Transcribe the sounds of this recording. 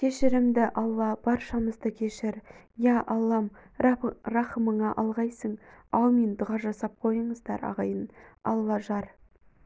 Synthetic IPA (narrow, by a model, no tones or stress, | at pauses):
kʲʰe̞ʃɪɾɪmd̪ɪʔɑlˠːɑb̥ɑɾʃɑməzd̪əkʲʰe̞ʃɪɾjæʔɑlˠːɑm | ɾɑχəməɴɑʔɑlˠʁɑjsəɴɑlˠmend̪ʊʁɑʒɑsɑp̚qʰo̞jəɴəzd̪ɑɾɑ̰ʁɑjənɑ̰lˠːɑʒɑɾ